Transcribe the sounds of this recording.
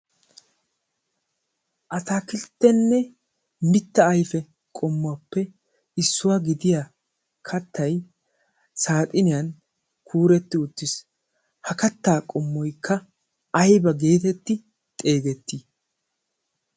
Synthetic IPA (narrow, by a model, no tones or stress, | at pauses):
ʔɐt̪aːkɪlt̪ːɛnːɛ | mɪt̪ːɐːjfɛ | kʼɔmːʊɐpːɛ | ɪsːʊwaɡɪd̪ɪja | kʰɐt̪ːɐj | saːt̪ʼɪnɪjɐn | kʰuːɾɛt̪ːɪʊt̪ːɪs | hɐkɐt̪ːaːkʼɔmːɔjkʰːɐ | ɐjbɐɡe̞ːt̪ɛt̪ːɪ | t̪ʼe̞ːɡɛt̪ːi